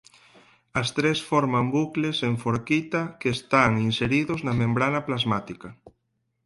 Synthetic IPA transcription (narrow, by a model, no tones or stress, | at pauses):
ɐst̪ɾesfɔɾmambukleseɱfoɾkit̪ɐkeːst̪aŋinseɾiðʊznɐmẽmbɾanɐplazmat̪ikɐ